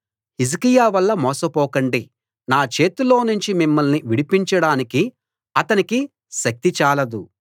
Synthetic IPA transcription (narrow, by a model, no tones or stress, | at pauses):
hizikijaːʋɐlːɐmɔːsɐpɔːkɐɳɖi | naːt͡ʃe̞ːt̪ulo̞ːnuɲt͡ʃimimːɐlniʋiɽipiɲt͡ʃɐɽaːniki | ɐt̪ɐniki | ʃɐk̚t̪it͡ʃaːlɐd̪u